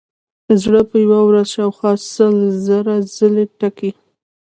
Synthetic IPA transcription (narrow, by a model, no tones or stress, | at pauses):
d̪̥əzɽəpəjawawɾazʃɑwxwɑsəlzəɾazəleʈaki